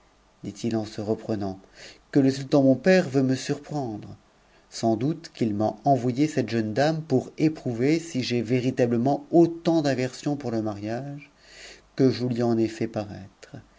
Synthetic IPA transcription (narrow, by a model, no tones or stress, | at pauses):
d̪it̪ʰilɑ̃səʁəpχənɑ̃kələsylt̪ɑ̃mɔ̃pɛʁvøməsyʁpχɑ̃d̪ʁə | sɑ̃d̪ut̪kilmaɑ̃vwajesɛt̪ʒənd̪ampuʁepχuvesiʒeveʁit̪abləmɑ̃ot̪ɑ̃d̪avɛʁsjɔ̃puʁləmaʁjaʒ | kəʒəlɥiɑ̃nefɛpaʁɛt̪χ